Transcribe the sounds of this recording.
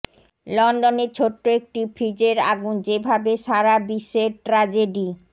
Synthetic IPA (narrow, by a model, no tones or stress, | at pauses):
lɔnɖoneɾt͡ɕʰoʈːoek̚ʈifʰɾid͡ʑeɾa̰ɡund͡ʑebʱabeʃaɾabiʃːeɾʈɾad͡ʑeɖi